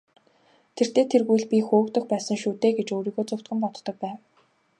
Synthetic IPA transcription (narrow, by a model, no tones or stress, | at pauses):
t̪ʰer̥t̪eːt̪ʰerɣujɮpʲixoːkt̪ə̆xpæːsə̆ŋʃuːt̪eːɡet͡ɕoːɾiːɣoːt͡sʊw̥t̪̚ɡɘ̆mpɔt̪t̪ɞ̆k̚pæːw